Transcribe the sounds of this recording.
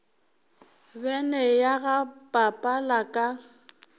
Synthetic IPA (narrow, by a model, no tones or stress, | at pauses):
bɛnɛjaɣapʼapʼalakʼa